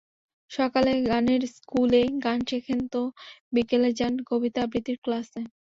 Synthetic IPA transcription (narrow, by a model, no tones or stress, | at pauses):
ʃɔkaleɡaneɾskuleɡanʃekʰent̪obikeled͡ʑanɡobit̪abɾit̪iɾklase